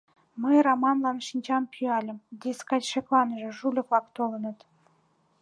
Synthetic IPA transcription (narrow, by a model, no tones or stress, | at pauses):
məjrɑmɑnlɑnʃinʲt͡ɕɑmpʰyɑlʲə̆md̪iskɑt͡ɕʃĕklɑnəʒĕʒulʲə̆klɑkt̪olə̆nə̆t̪